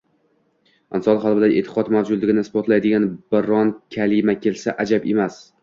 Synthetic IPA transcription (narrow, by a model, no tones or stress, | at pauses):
ansɒlˠχalˠbɪd̪aʔet̪ʰɪ̥qɒt̪mawd͡ʒʊd̪lɪɡʲɪnɪspɒt̪lajd̪ɪɡʲanbɪɾɒnkʲʰalɪmakʲʰe̞lsaʔad͡ʒabemas